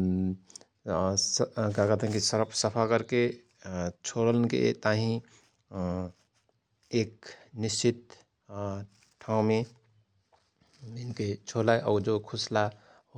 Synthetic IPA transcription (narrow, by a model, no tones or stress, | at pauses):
skakət̪ɦɛ̃kisəɾpʰsəpʰakəɾke | t͡ʃʰoɽəlnkḛt̪aɦĩ | eːk̚nist͡ʃit̪̚ | ʈʰaũmẽ | inket͡ʃʰolaeʔɔːɾd͡ʒokʰʊsla